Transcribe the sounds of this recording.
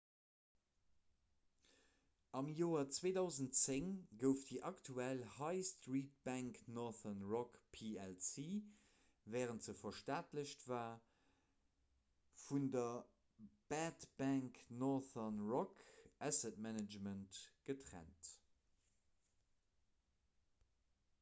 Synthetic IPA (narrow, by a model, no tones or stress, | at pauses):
ɑmjoːɐt͡sweːdɑʊzəntt͡seŋɡəʊftdiːʔɑktʰuælhɑɪstʁiːt̚b̥æŋknɔθənʁɔkpʰiɛlsiː | vɛːʁəntz̥əfɐʃtaːtləɕtvaː | fundɐ | b̥ætb̥æŋknɔθɐnʁɔkʔæsɛtmænəd͡ʒməntɡ̥ətʁæ̰nt